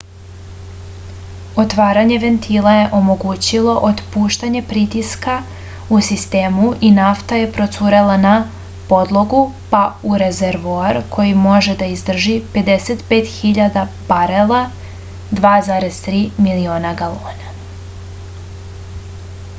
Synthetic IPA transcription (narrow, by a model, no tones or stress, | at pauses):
ot̪ʋaːɾaɲe̞ʋe̞nt̪ʰilaje̞ʔo̞mo̞ɡut͡ɕilˠo̞ʔot̪puːʃt̪aɲe̞pɾit̪iska | usist̪eːmuʔinaft̪aje̞pɾo̞t̪suːɾelana | po̞d̪lˠo̞ɡupauɾezeɾʋoaɾkʰo̞jimo̞ʒed̪aizd̪r̩ʒipe̞d̪eset̪peːt̪xiʎad̪abaɾela | d̪ʋaːzaːɾez̥t̪ɾiːmilio̞ːnaɡaloːna